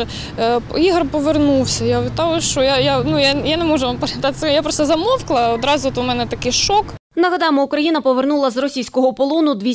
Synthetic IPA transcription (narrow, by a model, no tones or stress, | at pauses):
piɦrpɔʋernuwsʲɐjaʊʋʲɪt̪ɑwʊʃt͡ʃɔjajanujajanɛmɔʒʊʋɐmpɐɾet̪at̪sɛjapɾɔst̪ɐzɐmɔwklˠɐɔd̪ɾɑzʊɔt̪ʊmɛnɛt̪ɐkɪjʃɔk | nɐɦɐd̪ɑjemɔʊkɾɐjinɐpɔʋernulˠɐzrɔsʲijsʲkɔɦɔpɔlˠɔnʊd̪ʋʲi